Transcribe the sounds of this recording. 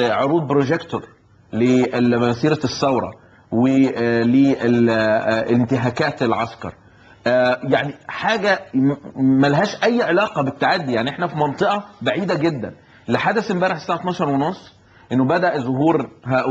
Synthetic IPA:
ʕoɾuːd̪̚bɾoʒekt̪oɾ | lemæsiːɾæsːæwɾˤɑ̰ | welee | lent̪ɪɦæːkæːt̪elʕɑskɑ̰ɾˤ | jaʕniħaːɡæ | mælæɦæːʃʔæjːʕelɑːqɑbet̪ːaʕad̪ːijaʕniʔeħnæfimɑnt̪ˤeʔɑbaʕiːd̪æɡed̪ːæ̰n | leħad̪æsmbæːɾeħsæːʕat̪nɑːʃɑɾˤwenosˤː | ʔenːobæd̪æʔzoɦuːɾɦæ

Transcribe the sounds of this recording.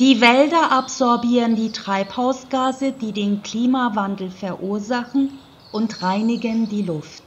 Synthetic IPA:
d̥iːvɛldɐʔapz̥ɔɐbiːʁəndiːtʁ̥aɪphaʊsɡ̥aːzəd̥iːdeːnkl̥iːmavandl̩fɛɐʔuːɐzaχn̩ | ʔʊntʁaɪnɪɡəndiːlʊft

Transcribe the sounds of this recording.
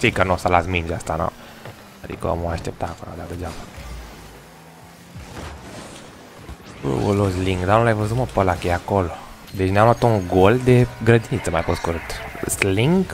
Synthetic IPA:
fikanosalasmind͡ʒast̪ana̰ | ad̪ḭkə̰ə̰moaʃt̪ep̚t̪aːkola̰d̪ad̪əd͡ʒaba | bə̰wo̰lozliŋɡd̪anulajvəzuməpəlakəjeakolo | d̪et͡ʃnamlat̪uŋɡold̪eɡɾəd̪init̪səmajposkuɾɨt̪sliŋɡ

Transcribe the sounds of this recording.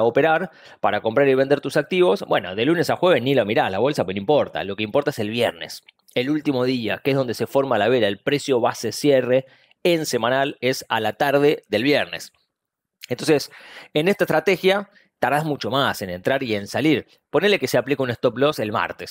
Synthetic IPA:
opeɾaɾ | paɾako̞mpɾaɾiβe̞nd̪eɾt̪usak̚t̪iβo̞sbwe̞̰no̰ðe̞lune̞saxwe̞βesnilomiɾaslaβ̞o̞lsapwenimpo̞ɾt̪a̰lo̞keimpo̞ɾt̪aeselβjeɾne̞̰s | elult̪imo̞ð̞iakeehɦð̞o̞nd̪ese̞fo̞ɾmalaβeɾaelpɾe̞sjo̞βasesjereː | nsemãnale̞sa̰lat̪aɾðe̞ðelβjeɾne̞s | ent̪o̞nsesenest̪aest̪ɾat̪exja | t̪aɾðazmut͡ʃo̞mase̞nent̪ɾaɾie̞nsaliɾ | ponelekeseaplikeunest̪oplo̞se̞lma̰ɾt̪es

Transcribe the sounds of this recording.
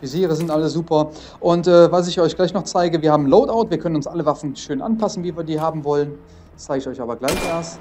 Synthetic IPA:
vyziːʁəzɪntʔaləzuːpɐ | ʔʊntʔɛːvals̬ɪçɔʏçɡ̥laɪçnɔχt͡saɪɡəviːɐhaːbmloːtaʊtv̥iːɐkʰœnənʊnsʔaləvafn̩ʃøːnʔa̰npʰasn̩viːviːɐdiːhaːbm̩vɔlən | t͡saɪɡəɪçɔʏça̰ːbɐɡlaɪçʔeɐst

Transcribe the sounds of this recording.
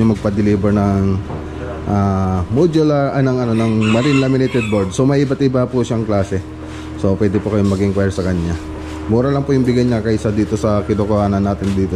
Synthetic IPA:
ɐmɐɡ̚pɐd̪ɪliːbɛɹnɐŋ | ʔamud͡ʒolɐʔɐnɐŋɐno̞nɐŋmɐɾɪnlamɪnɛt̪ɛd̪̚boɹd̪̚so̞mɐjɪbɐt̪ʔɪbapuʃaɐŋklaːsɛ | so̞pwɛːd̪ɪpokɐjomɐɡɪŋkwajɹsɐkɐɲɲa | muːɾɐlɐŋpʊjʊŋbɪɡɐjɲakɐɪsɐd̪iːt̪o̞sɐkɪd̪okohaːnɐnːaːt̪ɪnd̪iːt̪o

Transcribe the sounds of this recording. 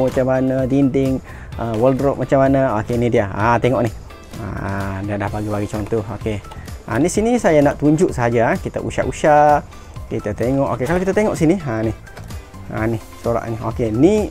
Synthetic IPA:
mat͡ʃamanədindɪŋ | əwəldɾɔʔ̚mat͡ʃamanəokenidiaat̪eŋɔʔnih | a̰diadahbaɡibaɡit͡ʃɔnt̪ɔhokea̰nisinisajanaʔt̪uɲd͡ʒʊʔsəɦad͡ʒaakit̪a̰ʔṵʃa̰ʔuʃaʔ | kit̪at̪eŋɔʔo̰kekalokit̪at̪eŋɔʔsinianih | a̰nihsuɾa̰ʔnio̰keni

